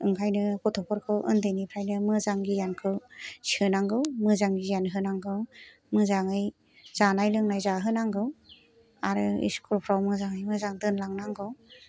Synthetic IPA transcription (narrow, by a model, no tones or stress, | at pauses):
ɯŋkʰajnɯkɔtʰɔpʰɔɾkʰɯwʔɯ̰ndɯjnipʰɾajnɯmɯzaŋɡijankʰɯwsihɯnaŋɡɯwmɯzaŋɡijanɦɯnaŋɡɯw | mɯzaŋɯj | z̥anajlɯŋnajzaɦɯnaŋɡɯw | aɾɯḭskʰuɾpʰɾawmɯzaŋɯjmɯzaŋdɯnlaŋnaŋɡɯw